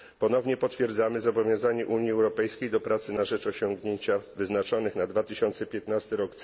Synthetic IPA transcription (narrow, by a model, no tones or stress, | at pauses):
pɔnɔvɲɛpɔt̪fʲjɛɾd̪zamɘzabɔvʲjɔ̃w̃zaɲɛʔuɲjiɛwɾɔpɛjskʲejd̪ɔpɾat̪sɘnaʐɛt͡ʂɔɕɔŋɡɲeɲt͡ɕavɘznat͡ʂɔnɘxnad̪vat̪ɘɕɔnt̪sɛpʲjɛt̪nast̪ɘɾɔkt̪